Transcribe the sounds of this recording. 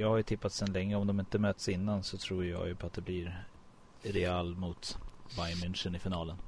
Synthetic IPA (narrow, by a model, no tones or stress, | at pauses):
jɑːɡhaɾjɵt̪ʰɪpːat̪sɛnlɛŋːəɔmd̪ɔmɪnt̪əmøːt̪sɪnːansɔt̪ʰɾuːɾjɑ̰ːɡjɵpʰɔat̪̚d̪ɛbliɾ | ɾɛalmʊt̪vajmɪnʂənɪfɪnɑːlən